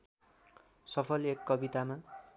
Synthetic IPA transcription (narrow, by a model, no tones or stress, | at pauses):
sʌpʰʌlekːʌbit̪ama